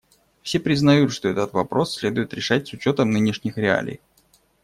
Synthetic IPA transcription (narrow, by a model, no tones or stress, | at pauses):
fsʲe̞pɾʲɪznɐjut̪ʂt̪oɛt̪ət̪vɐpɾo̞sːʲlʲe̞d̪ʊɪt̪ɾʲɪʂat̚ʲsʊt͡ɕo̞t̪əmnɨnʲɪʂnʲɪxɾʲɪa̰lʲḭj